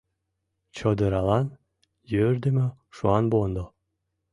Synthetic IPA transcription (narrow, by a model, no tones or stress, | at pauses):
t͡ɕod̪ɯɾɑlɑn | jøɾd̪emøʃuɑnbond̪o